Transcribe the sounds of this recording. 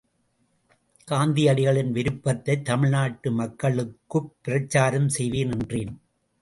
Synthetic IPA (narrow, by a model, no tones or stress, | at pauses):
kaːnd̪iɐɽɪɣɐɭɪnʋɪɾɯpːɐt̪ːɐɪt̪ːɐmɪɻnaːʈːɯmɐkːɐɭɯkːɯpːɪɾɐt͡ʃːaːɾɐmsɛjʋiːnɪndreːn